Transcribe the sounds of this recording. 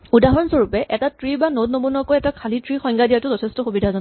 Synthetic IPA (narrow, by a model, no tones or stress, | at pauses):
udaɦɔnsoɹupɛʔɛtatɹibanodnomunɔkojɛtakʰalitɹixɔjŋɡadijatʊzɔtʰɛstɔxubidʱazɔn